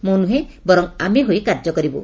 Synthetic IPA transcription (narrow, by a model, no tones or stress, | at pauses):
monuɦebɔɾɔŋameɦoekaɾd͡ʒɔkɔɾibo̰